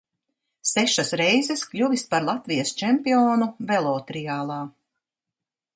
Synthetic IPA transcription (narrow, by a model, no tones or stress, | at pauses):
sɛʃasɾɛjzɛsklʲuvispaɾlˠat̪vijɐst͡ʃɛmpiɔːnuvɛlˠɔːt̪ɾijaːlˠɑː